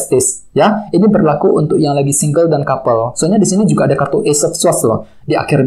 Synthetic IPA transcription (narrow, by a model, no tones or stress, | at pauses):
st̪ɪs | jainibərlakuʔṵnt̪ʊk̚jaŋlaɡisiŋɡəldankapəlsoaɲadisinid͡ʒuɡaːdakart̪ɔʔesɔfswaslɔ̰h | dia̰kɪr